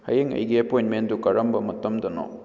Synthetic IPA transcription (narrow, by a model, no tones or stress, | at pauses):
hɐ̰jeŋɐ̰jɡiɐpojnmendukɐɾɐmbɐmɐtɐmdɐno̰